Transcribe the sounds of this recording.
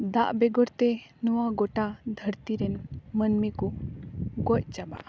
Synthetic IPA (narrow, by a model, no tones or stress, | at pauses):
d̪a̰ʔbɛɡɔɾt̪ɛnuwaɡɔʈad̪ʱəɾt̪iɾɛnmənmiku | ɡɔc̚ˀt͡ʃaba̰ʔ